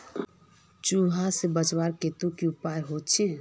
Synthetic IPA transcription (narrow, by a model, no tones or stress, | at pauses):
t͡ʃuasebət͡ʃwaɾket̪ukiupaɾɦot̪t͡ʃʰi